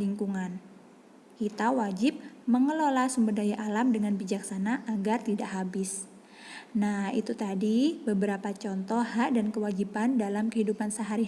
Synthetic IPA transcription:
liŋkuŋan | kit̪awad͡ʒɪp̚məŋəlolasumbərdajaʔalamdəŋanbid͡ʒaksanaʔaɡart̪idaʔɦabɪs | nahḭt̪ut̪adibəbəɾapat͡ʃɔnt̪ɔɦaʔdankəwad͡ʒipandalamkəhidupansəɦaɾi

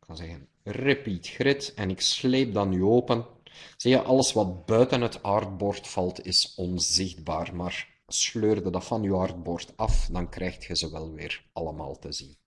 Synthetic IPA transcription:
kʰɑnzɛɣən | repiːtxrɪtɛnɪksleːp̚dɑnːyoːpənz̥ijəʔɑləsʋɑt̚bœɥtənɦətɑrd̚bɔrtfɑlˠtʰɪsɔnzɪxd̚baːrmaːr | sløːrdədɑfɑnywɑrd̚bɔrtɑfdɑnkrʔɛjxtxəzəʋɛlˠʋɪːrɑləma̰ːlˠtəzin

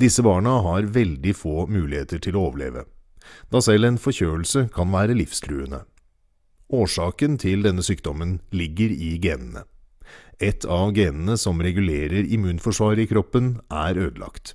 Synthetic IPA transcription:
d̪ɪsəbɑːɳəɦɑɾʋɛld̪ɪfoːmʉːlɪheːt̪əʈʰɪlooːʋəɭḛːʋə̰d̪̥ɑːsɛlːeːnfɔçøːəlsəkʰɑnʋæːɾəlɪfst̪ʰɾʉːənə̰ | ʔoːʂɑːkənt̪ʰɪld̪ɛnːəsyːkd̪ɔmənlɪɡːəɾɪɡeːnn̩ə̰ | ɛt̪ʰɑʋɡeːnn̩əsɔmɾɛɡʉleːɾəɾɪmʉːnfɔʂʋɑːɾəɪkʰɾɔpːənʔæɾøːd̪lɑ̰kt̪

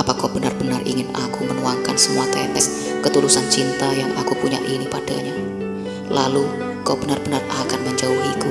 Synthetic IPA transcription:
apakab̥ənarbənarḭŋɪna̰kumənuaŋkansəmuat̪ɛkɛs | kət̪ulusant͡ʃint̪ajaŋakupuɲa̰ʔinipad̥aɲa | lalu | kab̥ənarbənarakanməɲd͡ʒauɦiku

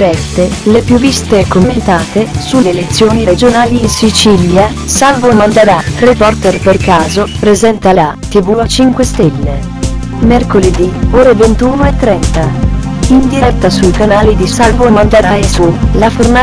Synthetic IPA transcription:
ɾɛst̪elepjuvːist̪ekomːent̪aːt̪esulelet̪sːjoːniɾed͡ʒonaːlisit͡ʃilja | salvomand̪eɾarepɔrt̪ɛrperkaːzopɾezɛnt̪alat̪ivuat͡ʃiŋkwest̪ɛlːe | merkoled̪ioːɾevent̪uːnoet̪ːɾɛnt̪a | ind̪iɾɛt̪ːasujkanaːlid̪isalvomand̪eɾaesulaforna

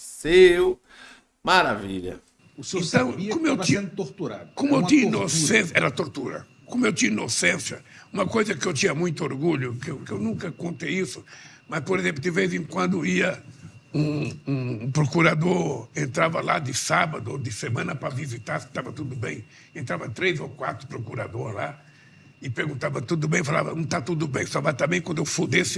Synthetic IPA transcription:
sew | maɾavḭʎɐ̰ | ʊsẽt̪ɐ̃w̃kõmʊewt̪ĩt̪oɾt̪uɾa̰d̪kõmʊew̪ĩɐiinosẽsɛ̰ɾɐat̪oɾt̪uɾɐ̰ | kõmʊewt̪ĩɲɐinosẽsjɐũmɐkojzɐkɪewt̪ĩɲɐmũj̃t̪ʊoɾɡuʎʊkewkɪewnũkɐkõnt̪ejisʊ | mɐspoɾezẽmplʊd̪ɪvezẽŋkwɐ̃nd̪ʊiɐũũpɾokuɾad̪oɾẽnt̪ɾavɐla̰d̪ɪsabɐd̪ʊd̪ɪsemɐ̃nɐpɾɐvizit̪aɾsɪ̥t̪avɐt̪ud̪ʊbẽj̃ | ẽnt̪ɾavɐt̪ɾejzokwa̰t̪ɾʊ̥pɾokuɾa̰d̪oɾla̰ | ɪpeɾɡũnt̪avɐt̪ud̪ʊbẽj̃fala̰vɐnũt̪at̪ud̪ʊbẽj̃savat̪abẽj̃kwɐ̃nd̪ewfũd̪esɪ

